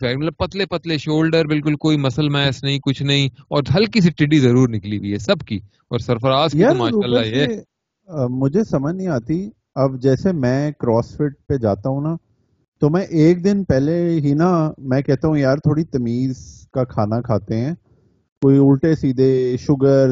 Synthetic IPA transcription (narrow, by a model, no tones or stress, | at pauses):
fɛːɡmləpɐt̪lepɐt̪leʃoːlɖəɾbɪlkʊlkoːimɐsəlmɛːsnɐɦĩkʊt͡ʃʰnɐɦĩɔːɾɦɐlkisɪʈːɪɖizɐɾuːɾnɪkliɡiɦɛːsɐbki | ɔ̰ːɾsɐɾfəɾaːskiaːɾmaːʃuːaːlajɛ | mʊd͡ʒʱesɐməd͡ʒnɐɦĩaːt̪i | ɐbd͡ʒɛːsemɛ̃ːkɾɔːsfɪʈ̚ped͡ʒaːt̪aɦũnaː | t̪oːmɛ̃ʔeːk̚d̪ɪnpɛːleɦinamɛ̃ːkɛɦt̪aɦũjaːɾt̪ʰoːɽit̪ɐmiːzkakʰaːnakʰaːt̪eɦɛ̃ː | koːiʊlʈesiːd̪ʱeʃʊɡəɾ